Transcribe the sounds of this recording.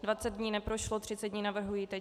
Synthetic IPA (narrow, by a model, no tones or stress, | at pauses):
dvat͡sɛd̪̚dɲiːnɛpɾoʃlot̪r̝̥ɪt͡sɛd̪dɲiːnavr̩ɦujit̪ɛ